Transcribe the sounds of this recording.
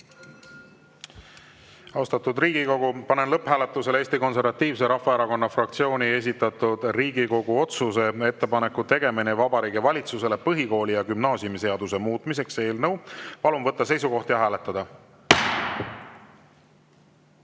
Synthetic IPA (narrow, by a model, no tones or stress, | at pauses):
ɑost̪ɑt̪ud̪riːɡ̥iko̞ɡupɑne̞nlɤpːhæːle̞t̪ːˑuse̞le̞ːst̪iko̞nse̞ɾvɑt̪ːiːvse̞ɾɑfːɑeɾɑko̞nːɑfrɑk̚t̪sio̞ːnie̞s̬ʲit̪ːˑɑt̪ˑud̪̥riːɡiko̞ɡ̥uo̞t̪suse̞e̞t̪ːe̞pɑne̞kːut̪e̞ɡ̥e̞minevɑbɑɾiːɡ̥ivɑlʲit̪suse̞le̞pɤɦiko̞ːlijɑkymnɑːsjumise̞ɑd̪use̞muːt̪ˑmis̬e̞kse̞ːlnɤwpɑlumvɤt̪ːɑse̞jsuko̞ht̪jɑɦæːle̞t̪ːˑɑd̪̥ɑ